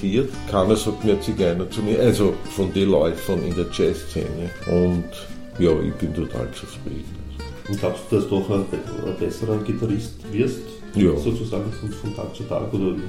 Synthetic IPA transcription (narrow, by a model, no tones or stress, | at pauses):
iːɐt̪kʰanəshɔt̪miːɐt͡siɡɛɐnɐt͡suniʔalzofɔnd̥̪elɔʏfənɪ̰ndeːɐt͡ʃɛst͡sḛːnəʔʊnt | jɑːʔɪ̰çb̥ɪnt̪ʰot̪ʰa̰ːlt͡suspɪlḭtt | ʊn̥laʊpsd̪̥ud̥asd̪̥uɔχəɛə̰b̥ɛsəʁənɡitaʁɪstvɪɐst | jɑːsoːt͡susa̰ːɡŋ̩fɔnfɔntʰa̰ːkt͡sutʰa̰ːkoːdɐ